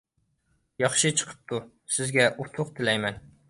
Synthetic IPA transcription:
jɒχʃɪt͡ʃʰɨ̥qʰɨ̥p̚t̪ʰʊ | sɪzɡʲaʔʊt̪ʰʊq̚t̪ʰɪlajman

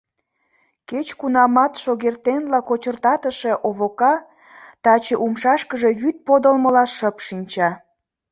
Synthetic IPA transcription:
ket͡ɕkunɑmɑt̪ʃoɣert̪enlɑkot͡ɕərt̪ɑt̪əʃe̽ʔoβokɑ | t̪ɑt͡ɕeʔumʃɑʃkəʒe̽βyt̪̚pod̪əlməlɑʃəpʃinʲt͡ɕɑ

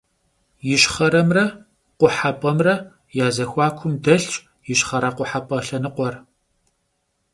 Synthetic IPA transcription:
jɪɕχɐɾɐmrɐ | qʷʊħapʼɐmrɐ | jaːzɐxʷɑːkʷʰʊmdɐɬt͡ʃ | jɪɕχɐɾɐqʷʊħapʼɐɬɐnɨqʷɔr

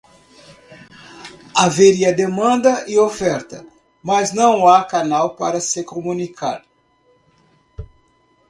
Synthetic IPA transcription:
aveɾiɐd̪emɐ̃nd̪ɐɪofɛɾt̪ɐ̰ | mɐznɐ̃w̃akanawpaɾɐsɪkomũnikʰa̰d̪

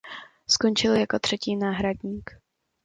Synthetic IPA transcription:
sko̞nt͡ʃɪljako̞t̪r̝̥ɛciːnaːɦɾaɟɲiːk

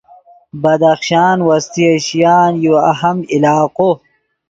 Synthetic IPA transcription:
bɐd̪ɐxʃaːnwɐst̪iɐɕjaːnjoɐɦɐmilaːqo

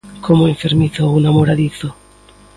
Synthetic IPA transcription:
kʰomoeɱfeɾmiθounamoɾaðiθo

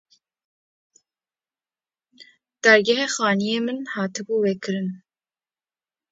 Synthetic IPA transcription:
d̪̥æɾɡɛɦexɑːnijeːmɨnhɑːt̪ʰɨbuːwekʰɨɾɨn

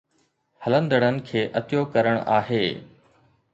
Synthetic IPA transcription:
hɐlə̃nd̪əɽ̃ənɪ̆kʰeːʔɐt̪jokɐɾəɽ̃ʔa̰ːɦeː

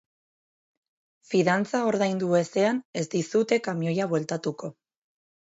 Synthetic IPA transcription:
fiðant͡sao̞ɾðajnd̪ue̞se̞ane̞zd̪isut̪e̞kamjo̞jaβwe̞lt̪at̪uko̞

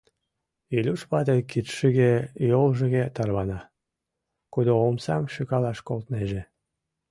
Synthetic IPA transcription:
ilʲuʃpɑt̪ekit̪ʃiɣejolʒəɣet̪ɑrβɑnɑ | kud̪oomsɑmʃykɑlɑʃkolt̪neʒe

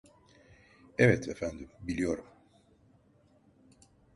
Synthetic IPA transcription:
ɛvɛt̪ʰefænd̪imbilʲijo̞ɾum

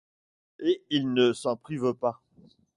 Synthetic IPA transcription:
eilnəsɑ̃pχivpa

